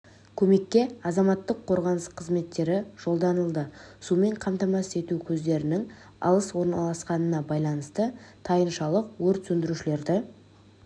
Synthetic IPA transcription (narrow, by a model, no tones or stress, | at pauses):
kʲʰɵme̞kʲːe̞ɑzɑmɑt̪ːəqʰːo̞ɾʁɑnəsqʰəzme̞t̪ːe̞ɾɪʒ̥o̞lˠd̪ɑnəlˠd̪əsume̞ɴqʰɑmt̪ɑmɑse̞t̪ukʲʰɵzd̪e̞ɾɪnɪŋ | ɑ̰lˠəswo̞ɾnɑlˠɑsqɑnənɑbɑjlˠɑnəst̪ət̪ʰɑjənʃɑlˠəq̚wɵɾt̪sɵnd̪ɪɾuʃɪle̞ɾd̪ɪ